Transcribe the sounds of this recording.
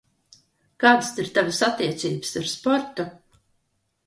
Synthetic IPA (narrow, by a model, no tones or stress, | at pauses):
kaːd̪ɨst̪iɾt̪avasat̪ːiɛt̪siːbɨ̥saɾspɔɾt̪u